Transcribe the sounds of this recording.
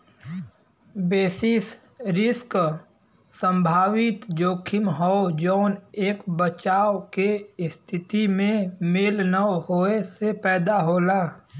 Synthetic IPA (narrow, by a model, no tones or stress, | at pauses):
beːsɪs | ɾɪsk | sə̃mbʱaːwɪt̪d͡ʒoːkʰɪmɦɔd͡ʒoːneːkbət͡ʃaːokest̪ʰɪt̪imẽmelnəɦoːesepɛːd̪aɦoːlaː